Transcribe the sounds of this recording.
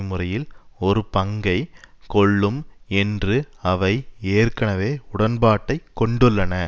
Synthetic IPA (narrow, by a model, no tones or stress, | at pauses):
mɯrɐjɪlɔɾɯpɐŋɡɐɪkɔɭːɯmɛndrɯɐʋɐɪeːrkɐnɐʋeːʊɽɐnbaːʈːɐɪkːɔɳɖɯɭːɐnɐ